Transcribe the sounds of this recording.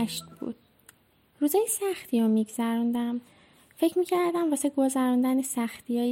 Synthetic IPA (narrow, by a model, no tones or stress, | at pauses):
ʃt̪b̥ṵːd̪̥̚ | ɾuːzɒːjesæxt̪ʰiːɾomiɡz̥æɾund̪æm | fe̞cʰmiːcʰæɾd̪æmvɒːseɡo̞zæɾund̪ænesæxt̪ʰijɒːj